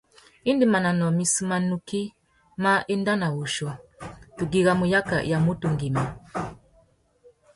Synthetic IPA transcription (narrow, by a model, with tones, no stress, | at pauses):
i˦ndi˨ma˨na˨nɔ˨mi˨su˨˦ma˨nu˨ki˦ | ma˦ʔi˦nda˦na˨wu˨ʃɔ˨tu˨ɡi˨ɣa˦mu˨ja˦ka̰˨ja˨mu˦tu˨ŋɡi˨ma˨